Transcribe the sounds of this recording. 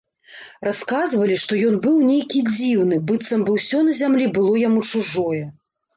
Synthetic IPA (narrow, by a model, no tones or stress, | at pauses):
raskazvɐlʲiʂt̪ɔjɔnbɨwnʲejkʲid͡zʲiwnɨbɨt̪sɐmbɨwsʲɔnɐzʲamlʲibɨlˠɔjamut͡ʂuʐɔjɛ